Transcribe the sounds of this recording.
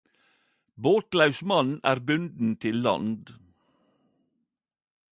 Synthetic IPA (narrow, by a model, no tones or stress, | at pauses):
boːt̪lɑʉsmɑnæːɾbʉnd̪n̩t̪ʰɪlːɑ̰nd̪